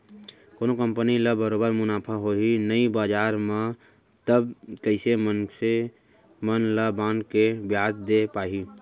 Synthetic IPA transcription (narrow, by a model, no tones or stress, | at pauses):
konokəmpəniləbəɾobəɾmʊnaːpʰaɦoɦinəibaːd͡ʒaːɾme | t̪əbkəɪsemənse | mənləbankebjad̪d̪epaːɦi